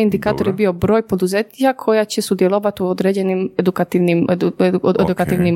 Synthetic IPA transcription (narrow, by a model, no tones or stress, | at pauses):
ind̪ikaːt̪oɾjebio̞bɾo̞ːjpo̞d̪uzet̪ɲijakʰo̞jat͡ɕesud̪je̞lˠoʋat̪uod̪ɾed͡ʑe̞nimed̪ukat̪iʋnimued̪ukat̪iʋnim